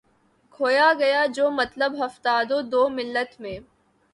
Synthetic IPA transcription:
kʰoːjaɡɐjad͡ʒoːmɐt̪ləbɦɐft̪aːd̪od̪oːmɪlːət̪mẽː

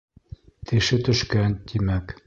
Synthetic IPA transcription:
t̪ʰɘ̆ʃɘt̪ɵ̆ʃkænt̪imæk

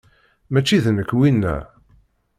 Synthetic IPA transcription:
mæt͡ʃːiðnəkːwinːæ̰

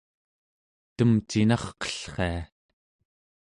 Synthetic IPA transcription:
t̪əmt͡ʃinɑχqʌ̥ɬχḛa

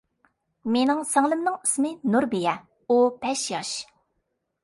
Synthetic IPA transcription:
menɪŋsɑŋlˠɨmnɨŋismɨnuɾbijɛ | upʰɛʃjɑʃ

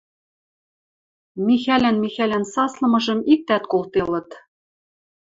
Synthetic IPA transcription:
mixælænmixælænsɑslɤ̆mɤ̆ʒɤ̆mik̚t̪æt̪kolt̪elɤ̆t̪

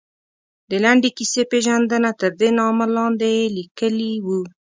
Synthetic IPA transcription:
d̪əlaɳɖekisepeʒand̪ənat̪əɾd̪enɑmalɑnd̪elikəliwu

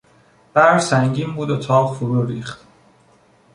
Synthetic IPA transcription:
b̥æɾsæŋɟiːmbuːd̪ot̪ʰɒːʁfuɾuːɾiːχt̪

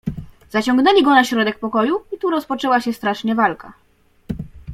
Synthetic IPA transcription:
z̥at͡ɕɔ̃ŋɡnɛlʲiɡɔnaɕɾɔd̪ɛk̚pɔkɔjuit̪uɾɔspɔt͡ʂɛwaɕɛst̪ɾaʂɲɛvalka̰

